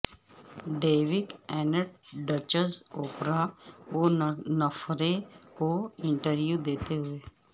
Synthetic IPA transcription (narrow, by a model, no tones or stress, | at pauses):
ɖeːʋɪkɛːnəʈ̚ɖət͡ʃəzoːpɾaonəfɾekoɪ̃ɳʈəɾʋjud̪eːt̪eɦʊeː